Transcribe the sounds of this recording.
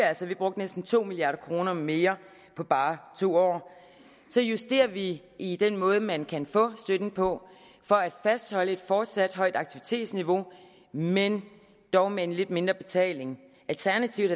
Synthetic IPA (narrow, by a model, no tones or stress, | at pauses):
ælsɒʋib̥ʁɔ̽ɡ̥̚d̥nesd̥n̩t͡sʰo̝̰ːmiliɑ̈ːɾɐkʰʁo̝ːnɐme̝ːɐ | pʰɒ̽b̥ɑ̈ːt͡sʰo̝̰ːɒ̰ː | sɒ̽jusd̥e̝̰ːɐʋi | id̥enmɔ̽ːð̞ˠəmænkʰænfɔ̰̽ːsd̥ød̥n̩pʰɒ̽ | fɒ̽æd̥fæsd̥hɒ̽ləe̝d̥fɒːd̥sæd̥ɦɒ̽ɪ̰d̥ɑ̈ɡ̥̚t͡sʰiʋit͡sʰe̝̰ːd̥sniʋo̝ | men | d̥ɒʊmee̝nle̝d̥me̝nd̥ʁɐb̥e̝t͡sʰɛ̰ːle̝ŋ | ʔælt͡sʰæɐnæt͡sʰiʊ̥